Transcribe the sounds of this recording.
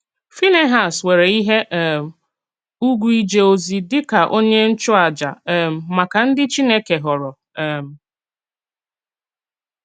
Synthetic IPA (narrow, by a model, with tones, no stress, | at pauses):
fi˦ne˦ɦa˨swe˨ɾe˨i˦ɦe˦ʔ | u˦ɡʷu˦i˦d͡ʒe˨o˨zi˨dɪ˦ka˨ʔo˦ɲe˦n̩˦t͡ʃʊ˦a˨d͡ʒa̰˨m̩˨ma˨ka˨n̩˦dɪ˦t͡ʃi˦ne˦ke˨ɦɔ˨ɾɔ˨ | m̩˨